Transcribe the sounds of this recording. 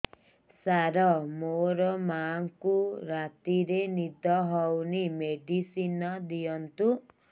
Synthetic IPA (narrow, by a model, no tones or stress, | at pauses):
saɾɔmoɾɔmaŋkuɾat̪iɾenid̪ʱɔɦɔwnimeɖisinɔd̪ijɔnt̪u